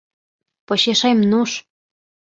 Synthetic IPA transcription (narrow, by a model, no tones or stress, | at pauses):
poɕeʃemnuʃ